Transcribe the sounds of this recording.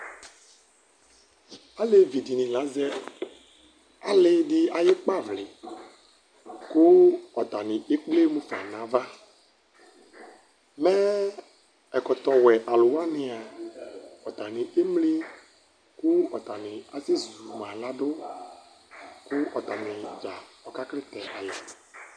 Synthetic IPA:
a˦le˨vi˨di˨nɪ̃˨la˨˦zɛ˦ | a˨lɪ˦dɪ˦a˨jɪ˦k͡pa˦vlɪ˨ | kʊ˦ɔ˨t̪a˨nɪ̃˨ʔe˦k͡ple˦mʊ̃˦fa̰˨nã˨˦va˦ | mɛ˦ | ɛ˨kɔ˨t̪ɔ˨wɛ˨ʔa˨lʊ˨wa˦nɪ˨a˨ | ɔ˨t̪a˨nɪ˨ʔe˦mle˦ | kʊ˦ɔ˨t̪a˨nɪ˨a˨sɪ˦zu˨mã˨la˦dʊ˦ | kʊ˦ɔ˨t̪a˨nɪ˨d͡ʒa˨ɔ˨ka˦klɪ˦t̪ɛ˨ʔa˨ja˨

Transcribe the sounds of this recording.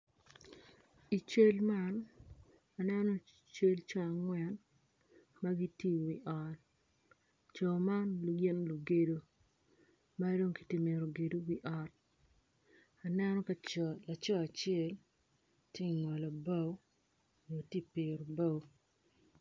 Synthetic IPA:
i˨t͡ʃe˦lma˦n | a˨nɛ˦no˦ | t͡ʃe˦lt͡ʃɔ˦a˨ŋwɛ˦n | ma˦ɡi˦tji˦wi˨ʔɔ˨t̚ | t͡ʃɔ˨ma˦nlu˨ɡe˦nlu˨ɡe˨do˨˦ | ma˦do˦ŋki̥˨tɪ˨me˨ɾo˨ɡe˨do˦wi˦ʔɔ˨t̚ | a˨nɛ˦nɔ˦ka˦t͡ʃɔla˨t͡ʃɔ˦a˨t͡ʃɪɛ˦˨l | tje˦i˨ŋɔ˨lɔ˨ba˦w | ɲo˨ti˦pe˨ɾo˨ba˦w

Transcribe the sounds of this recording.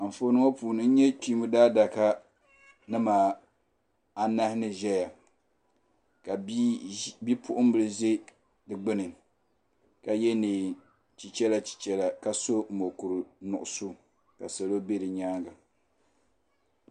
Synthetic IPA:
m̩˨fo˦nɨ˦ŋo˦puː˨nɨ˦n̩˦ɲɛ˦ti˦mɨ˦daː˦da˨ka˦ | nɨ˦maː˨ | a˦na˦hɪ˦nɨ˨ʒɛ˦ja˨ | ka˨˦bi˦pʰʊ˦ʔʊ˦m˦bɨ˨lɨ˦ze˦ | dɨ˨ɡ͡bɨ˦nɨ˨ | ka˨jɛ˦nɨ˨ | t͡ʃi˨t͡ʃɛ˦lḁ˦˨t͡ʃɛ˦la˨ka˨so˦m̩˨mo˨ku˨ɾɨ˨nʊ˨ʔʊ˨su˦ | ka˨sa˨lo˦be˦dɨ˨ɲaː˦ŋɡa˨

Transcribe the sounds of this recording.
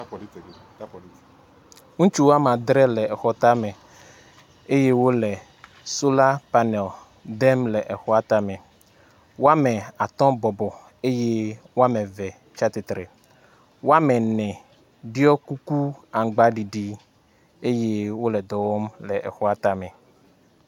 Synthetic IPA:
ŋũ˦t͡ʃu˦wo˦a˦mã˨d̪ɾɛ˦lɛ˨ɛ˨xɔ˦t̪a˦mɛ˨ | e˦je˦wo˦lɛ˨ | so˦la˦pa˦nɛ˨l | d̪ɛ˦mlɛ˨ʔɛ˨xɔ˦a˦t̪a˦mɛ̃˨ | wo˦a˦mɛ̃˨a˨t̪ɔ̃˦bɔ˨bɔ˨ | e˦je˦wo˦a˦mɛ̃˨vɛ˨ | t͡ʃa˦t̪e˨t̪ɾe˨ | wo˦a˦mɛ̃˨nɛ̃˨ | ɖi˦ɔ˦ku˦ku˦a˨ŋ˨ɡ͡ba˦ɖi˨ɖi˦ | e˦je˦wo˦lɛ˨d̪ɔ˨wɔ˦mlɛ˨ʔɛ̰˨xɔ˦a˦t̪a˨mɛ̃˨

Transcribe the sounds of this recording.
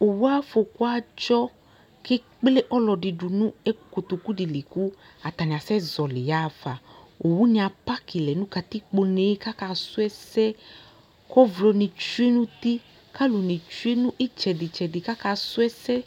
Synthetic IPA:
o˨wu˦a˦fo˨ku˦a˦d͡ʒɔ˦ | ke˦ | k͡ple˦ʔɔ˦lɔ˨di˨du˨nũ˦ɛ˦ko˨t̪o˨ku˦di˨li˨ku˦ | a˨t̪a˨nĩ˨a˨sɛ˦zɔ˨li˨ja˦˨fa˨ | o˨wu˦nĩ˦a˨pa˦ki˨lɛ˨nũ˦ka˨t̪i˦k͡po˧ne˨˦ka˦ka˧˦su˦ɛ˦sɛ˦ | kɔ˦vlo˨nĩ˨t͡ʃu˦e˦nũ˦t̪i˦ | ka˦lo˨nĩ˨t͡ʃu˦e˦nũ˦ʔi˦t͡ʃɛ˨di˨t͡ʃɛ˨di˨ka˦ka˧su˦ɛ˦sɛ˦

